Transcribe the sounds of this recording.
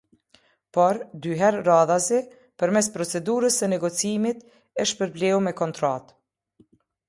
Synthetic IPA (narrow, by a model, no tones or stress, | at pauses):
pɔɾd̪yɦɛɾːaðazɛ | pəɾmɛs̬pɾɔt͡sɛd̪uɾəsənɛɡɔt͡siimit̪ | əʃpəɾplɛumɛkɔnt̪ɾa̰t̪